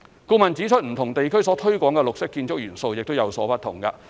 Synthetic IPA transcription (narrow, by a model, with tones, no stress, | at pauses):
kuː˧mɐ˨nt͡siː˨˥t͡ʃʰɵ˥t̚m̩˨˩t̪ʰʊ˨˩ŋt̪e˨jkʰɵ˥ɥsɔː˨˥t̪ʰɵ˥ɥkʷwɔː˨˥ŋkɛ˧lʊ˨k̚sɪ˥kːiː˧nt͡sʊ˥k̚jyː˨˩nso˧wjɪ˨k̚t̪o˥wjɐ˨˧wsɔː˨˥pɐ˥t̚t̪ʰʊ˨˩ŋkɐ̰˧